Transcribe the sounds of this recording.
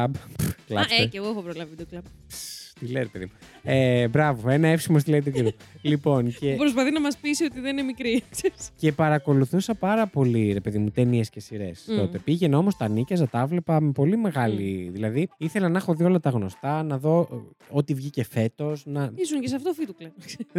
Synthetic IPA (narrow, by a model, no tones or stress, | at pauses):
ɐbklɐ̰eeɣoexopɾolɐvit̪oklɐb̚ | st̪ileɾepeðimu | ebɾɐvo̞e̞nɐefsimost̪ileit̪uceɾulipo̞ncepɾos̬pɐθinɐmɐspisio̞t̪iðeninemikɾikseɾisce̞pɐɾɐko̞luθusɐpɐɾɐpo̞liɾe̞peðimut̪eniesce̞siɾe̞st̪o̞t̪e̞piʝe̞no̞mo̞st̪ɐnicɐzɐt̪ɐɐvle̞pɐme̞po̞lime̞ɣɐliðilɐðiiθe̞lɐnɐxo̞ðio̞lɐt̪ɐɣno̞st̪ɐnɐðo̞ | ot̪ivʝice̞fe̞t̪o̞snɐisunces̬ɐft̪ofit̪uklɐnkse